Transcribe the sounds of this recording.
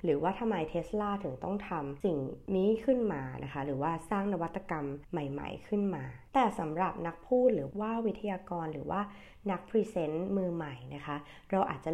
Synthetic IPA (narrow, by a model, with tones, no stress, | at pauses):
ɾɯː˩˦waː˥˩t̪ʰa˧mːa˧jt̪ʰe˦˥slaː˥˩t̪ʰɯ˨˩˦ŋt̪ɔ˥˩ŋt̪ʰa˧msi˨˩ŋniː˦˥kʰɯ˥˩nmaː˧nʔa̰˦˥kʰa˦˥ɾɯː˩˦waː˥˩saː˥˩ŋna˦˥wa˦t̪ːa˧ka˧mːa˨˩jma̰˨˩jkʰɯ˥˩nmaː˧t̪ɛː˨˩sa˩˦mɾa˨˩p̚na˦˥k̚pʰuː˥˩t̪̚ɾɯː˩˦waː˥˩wːi˦˥t̪ʰːa˧jaː˧kɔː˧nɾɯː˩˦wa̰ː˥˩ | na˦˥k̚pʰɾiː˧˥se˦˥nmɯː˧ma˨˩jna˦˥kʰa˦˥ | ɾa˧wʔa̰ː˨˩t̪̚t͡ɕa˨˩